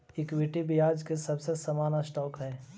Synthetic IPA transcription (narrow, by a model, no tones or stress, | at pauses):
ɪkwiːʈibʱiaːd͡ʒkesɐbsesɐmaːnasʈɔːkɦɛː